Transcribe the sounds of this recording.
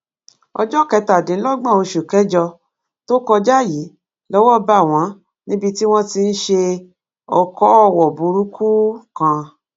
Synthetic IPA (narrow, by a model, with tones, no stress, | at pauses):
ɔ̰˧d͡ʒɔ˦˨kɛ˨˧ta˨dĩ˨˦lɔ˦ɡ͡bã˦˨o˧ʃu˨kɛ˨˦d͡ʒɔ˧ | to˦kɔ˧d͡ʒa˦˨ji˨˦ | lɔ˦wɔ˦ba˦˨w̃ã˨˦ | nĩ˦bi˧ti˦w̃ɔ̃˦ti˧n̩˦ʃe˧ | ɔ˨kɔ˨˦ɔ˦˧˨wɔ˨bu˨˧˦ɾu˦kʰu˦kã˧